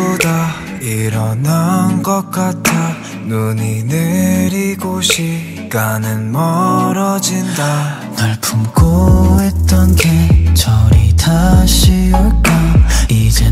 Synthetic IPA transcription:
uda | iɾʌnanɡʌk͈atʰa | nuɲineɾiɡoɕʰi | ɡ̥anɯnmʌɾʌd͡ʑinda | naɭpʰumkoet͈ʌnɡet͡ɕʰʌɾitʰaɕʰiok͈aid͡ʑe

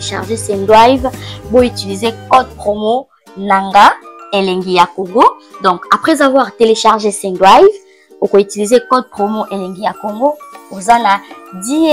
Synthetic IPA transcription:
ʃa̰ʁʒesɛ̃ndwajvboitilizekɔd̚pχomo | naŋɡaeleŋɡijakoŋɡodɔ̃kapχɛzavwaʁteleʃaʁʒesɛ̃ndwajv | okoitilizekɔd̚pχomoʔeleŋɡijakoŋɡoozanadi

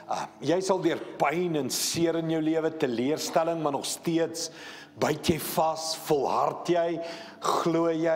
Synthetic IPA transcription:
jɛjsɐlˠdiərpɛjnənsiəɾənjəwliəvətəliərstæləŋmɐrnɔχstiəts | bœɥtʰjəjfɐsfɔlˠɦɐ̰rtjɛj | χluəjɛ

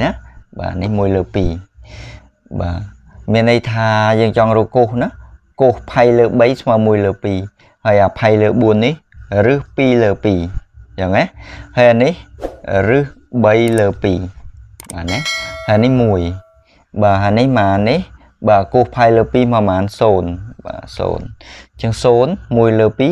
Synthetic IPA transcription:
naːʔɓa̰ːnihmuəjləːpiː | ɓa̰ː | miənːəjt̪ʰaːjəːŋt͡ɕɑŋrɔːkohnɨhkohpʰajləːɓəjsʰmaːmuəjləːpiː | haːjʔaːpʰajləːɓuənːihrɨhpiːləːpiːjaːŋːahaːjanihrɨhɓəjləːpiːɓaːnɛhajanihmuəj | ɓaːɦanihmaːnih | ɓaːkohpʰajləːpiːmamaːnsoːnɓa̰ːso̰ːnt͡ɕɨŋsoːnmuəjləːpiː

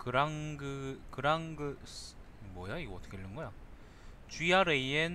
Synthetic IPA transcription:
kɯɾaŋɡɯkɯɾaŋɡɯs | mwʌjaiɡʌʌt͈ʰʌkʰeiɭːɯnɡʌjo | t͡ɕiaɾeien

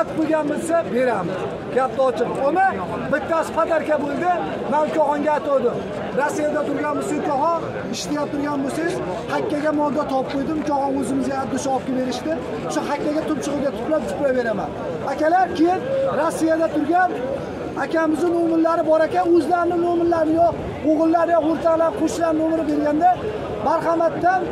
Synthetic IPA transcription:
t̪boɡʲanmɪzsabe̞ɾamɪz̥ | ɡʲap̚t̪aɒt͡ʃʰɪponɪ | bɪt̪ːasɪ̥pad̪aɾkʲabolˠd̪ɪ | mankʲʰɒhɒŋɡʲaːt̪ʰɒwd̪ɪm | ɾasːijad̪at̪ʰʊɾɡʲanboseŋkʰɒhɒn | ɪʃt̪ʰajap̚t̪ʰʊɾɡʲanbose | hakʲːaɡʲamɒld̪at̪ʰɒp̚qʰojd̪ɪmkʰɒhɒnɵzɪmɪzjanap̚d̪ʊʃɒɒpkʲabe̞ɾɪʃd̪ɪ | ʃʊhakʲːaɡʲat̪ʰʊp̚t͡ʃʰɨʁɨɡʲat̪ʰʊ̥plapzʊplabe̞ɾama̰n | akʲalaɾkʲejɪnɾosːijad̪at̪ʰʊɾɡʲan | akʲamɪznɪnomɪllaɾɪbɒɾakʲanɵzlaɾɪnɪnomɪllːaɾnɪjɒ | oʁɨlˠːaɾjɒoɾt̪ʰalanqʰoʃlaɾnomɪɾɪbʲelɡʲand̪a | baɾχɑmat̪ːan

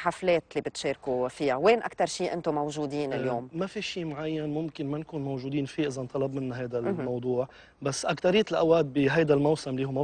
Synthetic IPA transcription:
ħafleːt̪liːbɪt̪ʃeːɾkufijaweːnʔa̰kt̪ɑɾˤʃiːʔɪ̰nt̪omawʒuːd̪iːnɪljoːmmafiʃiːmʕajːanmʊmkɪnmankuːnmowʒuːd̪iːnfiːʔɪzant̪ˤɑlɑb̚mɪnːaɦajd̪almɑwd̪ˤuːʕ | basːʔakt̪aɾɪjːt̪ɪlʔawaːd̪̚biɦajd̪almawsɪmliːhuma

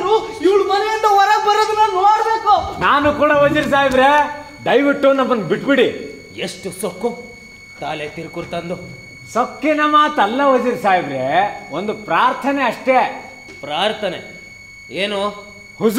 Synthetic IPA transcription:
nuiʋɐɭmɐnejind̪ɐʋɐɾɐɡbɐɾod̪unːɐnoːɽbeːkunaːnukuːɽɐɦod͡ʒiɾs̬aːjidɾe | ɖɐjʋiʈːunɐmːɐnbiʈbiɽi | eʂʈusokːu | t̪aːlet̪iɾkuɾt̪ɐnd̪u | sokːinɐmaːt̪ɐlːɐɦod͡ʒiɾsaːjiʋ̪ɾeond̪upɾaːɾt̪ʰɐneɐʂʈe | pɾaːɾt̪ʰɐne | eːnu | hus

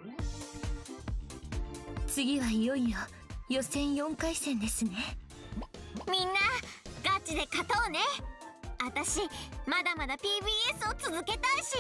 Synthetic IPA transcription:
t͡sɨɡʲiβaijo̞ijo | jo̞sẽ̞ɰ̃jõ̞ŋkaisẽ̞nd̪e̞sɨne̞ | mʲĩnːaɡ̥at͡ɕid̪e̞kat̪o̞ːne̞ | at̪aɕimad̪amad̪apʲiːbiːesɨo̞t͡sɨzɨke̞t̪aiɕi

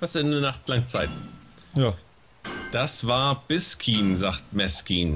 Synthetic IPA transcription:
vasɛndənaχtlaŋt͡saɪt | ja | d̥asv̥aːɐb̥ɪskʰiːnzaːχtmɛskiːn

